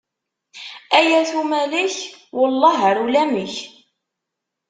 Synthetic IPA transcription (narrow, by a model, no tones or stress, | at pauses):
æjæθumæliçwʊlˤːɑɦəɾulæməç